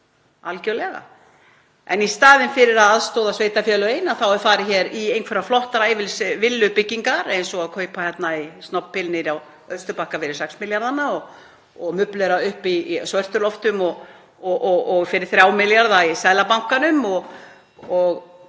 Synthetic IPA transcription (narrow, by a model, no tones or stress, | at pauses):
alcœwlɛɣa̰ | ɛ̰nist̪aːðɪnfɪɾɪɾaðaðst̪oːwðasveːjt̪afjɛːlʏeːjnaθawɛɾfaːɾɪçɛːɾiejnkʰvɛɾaflɔht̪aɾajvɪlsvɪlːʏpɪcːiŋkaɾejnsɔɣaðkʰœːɥpaçjɛt̪naist̪nɔwppʰːɪlnɪɾaw | œðst̪ʏpahkafɪɾɪɾ̥sɛksmɪljaɾðanːaɔɣ | ɔɣmʏplɛɾaʏhpisvœr̥t̪ʏɾlɔft̪ʏmɔɣ | ɔʔɔɣɔɣfɪɾɪɾ̥θɾʲjawmɪljaɾðaisaːðlapawŋ̥kanʏmɔɣ | ɔɣ